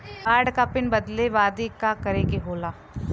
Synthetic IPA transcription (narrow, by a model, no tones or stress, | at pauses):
aːɾɖkapɪnbɐd̪leʋaːd̪ikakɐɾeːɡeɦoːlaː